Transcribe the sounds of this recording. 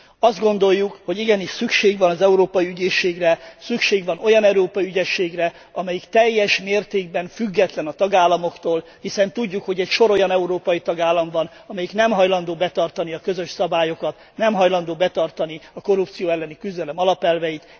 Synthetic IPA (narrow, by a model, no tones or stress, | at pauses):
ɒzd̪ɡo̞nd̪o̞jːukho̞ɟiɡɛniʃsykʃeːɡvɒnɒzɛuɾoːpɒjiyɟeːʃːeːɡrɛsykʃeːɡvɒno̞jɒnɛuɾoːpɒjiyɟɛʃːeːɡrɛ | ɒmɛjikt̪ɛjːɛʃmeːrt̪eːɡ̚bɛɱfyɡːɛt̪lɛnɒt̪ɒɡaːlːɒmo̞kt̪oːlhisɛnt̪uɟːukho̞ɟɛcʃo̞ɾo̞jɒnɛuɾoːpɒjit̪ɒɡaːlːɒɱvɒn | ɒmɛjiknɛmɦɒjlɒnd̪oːbɛt̪ɒrt̪ɒniɒkøzø̞ʃsɒbaːjo̞kɒt̪ | nɛmɦɒjlɒnd̪oːbɛt̪ɒrt̪ɒniɒko̞rupt̪sijoːɛlːɛnikyzd̪ɛlɛmɒlɒpɛlvɛjit̪